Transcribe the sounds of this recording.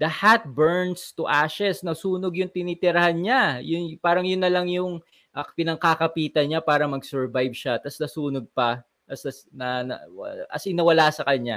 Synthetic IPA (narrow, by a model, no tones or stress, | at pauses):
d̪̥ɐhat̪̚bɛɹnst̪ʊʔaʃɛsnɐsuːnoɡjʊŋt̪ɪniːt̪ɪɾɐhanɲajʊnpaːɾɐŋjʊnːɐlɐŋjʊŋ | ʔɐpɪnɐŋkakɐpiːt̪ɐnɲapaːɾɐmɐɡsɛɹvajb̚ʃat̪ɐsnɐsuːnoɡ̚pɐ | ɐsɐsnɐnɐ̰ʔɐ̰sʔɪnɐwɐlasɐkɐɲa